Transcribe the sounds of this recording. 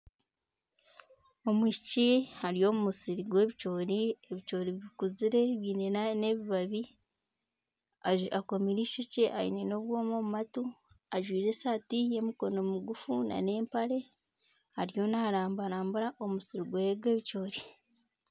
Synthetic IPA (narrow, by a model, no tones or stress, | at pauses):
o̞mwiʃicihaɾijo̞ːmumusiɾiɡwe̞ːβit͡ʃo̞ːɾie̞βit͡ʃo̞ːɾiβikuziɾe̞βiːnenane̞βiβaβi | aako̞miɾiːʃuceʔa̰jḭne̞no̞βwo̞ːmomumatu | aʒwiːɾe̞saːtije̞miko̞no̞muɡufuna̰ne̞ːmpaɾe̞ | haɾijo̞naːɾaːmbaɾaːmbuɾaʔo̞musiɾiɡweɡwe̞ːβit͡ʃo̞ːɾi